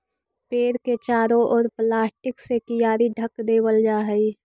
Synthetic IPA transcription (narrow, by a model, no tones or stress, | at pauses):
peːɾket͡ʃaːɾõʔɔːɾplaːsʈɪksekɪjaːɾiɖʱəkd̪eːwəld͡ʒaːɦəi